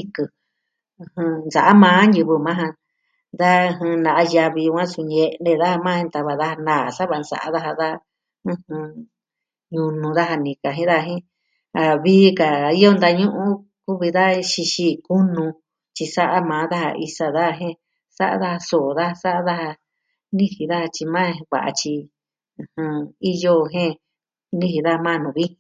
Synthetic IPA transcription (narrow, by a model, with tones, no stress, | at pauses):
i˧kɨ˧ | ɨ̃˧hɨ̃˧nd͡za̰˨ʔa˦mãː˨˦nɨ˧βɨ˧mã˦ɦã˧ | ða˦ɨ̃˧ɦɨ̃˧nã˨ʔa˧ja˧βi˧wã˦su˧ɲe˧nẽ˦˧ða˦ha˧mã˦˧ẽ˧t̪a˧βa˧ða˦ha˧nãː˦˨sa˦βa˧nd͡za̰˨a˦ða˦ɦa˧ða˦ | ɨ̃˦hɨ̃˧ | ɲũ˧nũ˧ða˦ɦa˧nĩ˨ka˨ɦĩ˦ða˦˧ɦĩ˦ | a˨βiː˦ka˨i˦jo˧nd̪a˧ɲũ˦ʔũ˦ | ku˦βi˧ða˦˧ʃi˧ʃi˦˧ku˦nũ˧ | t͡ʃi˧sa˦ʔa˦mãː˨˦ða˦ha̰˧ʔi˧sa˧ða˦˧ɦẽ˦ | sa˦ʔa̰˦ða˦ha˧so˨ða˦˧sa˦ʔa˦ða˦ha˧ | nĩ˦hi˨ða˦ha˧t͡ʃi˧mãː˦˧βa̰˨ʔa̰˧t͡ʃĩ˧ | hɨ̃˧i˦jo˧ɦẽ˦ | nĩ˦hi˧ða˦a˧mã˦˧nũ˨βi˦